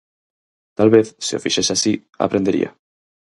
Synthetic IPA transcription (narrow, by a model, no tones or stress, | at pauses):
t̪alβeθsiofiʃesasi | a̰pɾend̪eɾḭa̰